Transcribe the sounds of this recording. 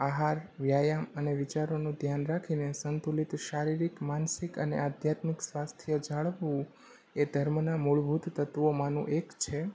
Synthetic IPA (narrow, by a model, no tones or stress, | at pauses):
aɦaɾʋjajaməneʋit͡ʃaɾonũd̪ʱjanɾakʰinesənt̪ulit̪ʃaɾiɾikmansikənḛad̪ʱjat̪miksʋast̪ʰijəd͡ʒaɭʋũ | ed̪ʱəɾmnamuɭbʱut̪ːət̪ʋomãnṵ̃ʔekt͡ʃʰe